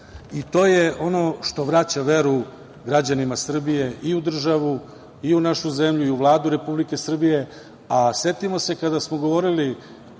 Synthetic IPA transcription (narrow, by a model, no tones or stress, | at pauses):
it̪o̞ːje̞o̞no̞ʃt̪o̞ʋɾat͡ɕaʋe̞ɾu | ɡɾad͡ʑanimasr̩bije̞iud̪r̩ʒaʋu | iunaʃuze̞mʎuiuʋlˠaːd̪uɾe̞publike̞sr̩bije | ase̞t̪imo̞se̞kad̪asmoɡo̞ʋo̞ɾili